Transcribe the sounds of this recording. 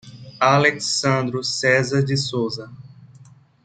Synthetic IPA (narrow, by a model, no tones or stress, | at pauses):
aleksɐ̃nd̪ɾʊsɛzɐɾd͡ʒɪsowzɐ